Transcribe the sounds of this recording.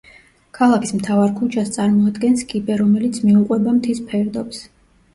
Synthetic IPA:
kʰalˠakʰismt̪ʰavaɾkʰut͡ʃʰast̪sʼaɾmɔad̪ɡɛnskʼibɛɾɔmɛlit̪sʰmiuqʼwɛbamt̪ʰispʰɛɾd̪ɔps

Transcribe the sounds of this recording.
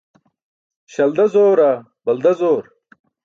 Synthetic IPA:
ɕɐld̪ɐzoːɾa | bɐld̪ɐzoːɾ

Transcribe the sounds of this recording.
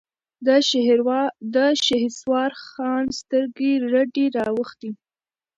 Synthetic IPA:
wd̪əʃehswɑɾxɑnst̪əɾɡeɾaɖeɾɑwəxt̪i

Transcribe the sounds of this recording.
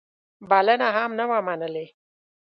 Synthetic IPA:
balanaɦamnawamanəle

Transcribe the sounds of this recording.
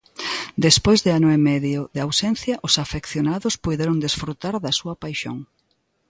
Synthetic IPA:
d̪espojzðɪanʊemɛðjʊðeawsɛn̟θjɐʔʊsafekθjonaðʊspujðeɾoŋd̪esfɾut̪aɾðɐsuɐpajʃo̰ŋ

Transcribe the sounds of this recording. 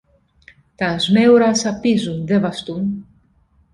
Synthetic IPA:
t̪ɐzmeuɾɐsɐpizunðevɐst̪un

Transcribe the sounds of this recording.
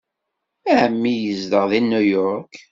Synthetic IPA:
æʕəmːijəzd̪əʁðinujɔɾk

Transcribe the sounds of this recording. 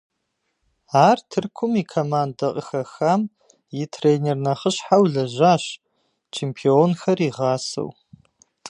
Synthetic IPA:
aːrtʰɨrkʷʰʊmiːkʰomaːndɐqʼəxɐxaːm | jɪtʰreːnernɐχəɕħawɮɐʒaːɕ | t͡ʃʰeːmpʰionxɐriːʁɑːsɐ̰w

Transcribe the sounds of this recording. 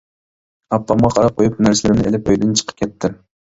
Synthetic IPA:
ɑpʰːɑmʁɑqʰɑɾɑp̚qʰojupnæɾsɪlɪɾɪmnɪelɪpøjd̪ɪnt͡ʃʰə̥qʰə̥kʲɛt̪ʰːɪm

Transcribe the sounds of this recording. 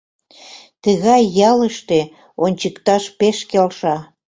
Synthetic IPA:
t̪əɣɑjːɑləʃt̪e | onʲt͡ɕəkt̪ɑʃpeʃkelʃɑ

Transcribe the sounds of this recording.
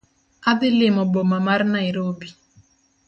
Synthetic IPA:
aðɪlɪmɔbɔmamaɾnaiɾobi

